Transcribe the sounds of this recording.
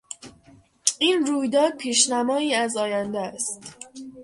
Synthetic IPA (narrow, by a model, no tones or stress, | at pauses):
iːnruːjd̪ɒːd̪̚pʰiːʃnæmɒːiːæzɒːjænd̪æst̪